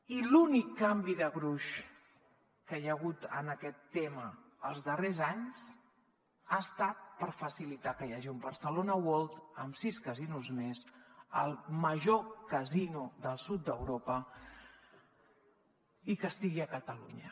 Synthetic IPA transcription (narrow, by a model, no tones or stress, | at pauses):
ilunikːambiðəɣɾuʃ | kəjəɣut̪ə̰nəkɛt̪ːeməːlˠzðərezaɲz | aəst̪at̪̚pəɾfəsilit̪akəjaʒiumbəɾsəlonəwolˠt̪əmsiskəzinuzmezəlˠməʒokəzinuðəlˠsut̪̚d̪əwɾopə | ikəst̪iɣiəkət̪əlṵɲə